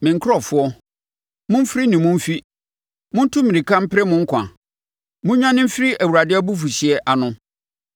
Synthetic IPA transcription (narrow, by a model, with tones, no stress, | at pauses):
mɪ̃˨ŋ̩˦kʰʊ˦ɾɔ˦˨fʊ˦ɔ˦ | mʊ̃˦m̩˦fɾi˦nɪ̃˨mʊ̃˦m̩˦fi˦ | mʊ̃˦n̩˦tʰʊ̃˦mĩ˨nĩ˨kʰã˦m̩˦pʰɪ˦ɾɛ˦mʊ̃˦ŋ̩˦kʷʰã̰˨ | mʊ̃˦ɲã˦nɪ̃˦m̩˦fɾi˦ʔæ˨wu˨ɾa˨dɪ˦æ˦bu˦f̬u˨ɕɪ˨ɛ˦ʔa˨nʊ̃˦